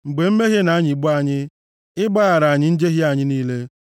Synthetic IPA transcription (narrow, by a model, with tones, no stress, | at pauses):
ŋ͡m̩˨ɡ͡be˨m̩˦me˦ɣje˦na˨˦ɲɪ˨ɡ͡bu˦a˦˨ɲɪ˦ | ɪ˦ɡ͡ba˦ɣa˨ɾa˨ɲɪ˦n̩˦d͡ʒe˦ɦɪ˦a˨ɲɪ˦niː˦le˦